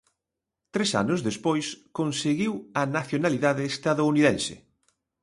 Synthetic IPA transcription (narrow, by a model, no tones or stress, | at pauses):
t̪ɾesa̰nʊzðespojskonseɣiwɐnaθjonaliðaðeːst̪aðouniðɛnsɪ̰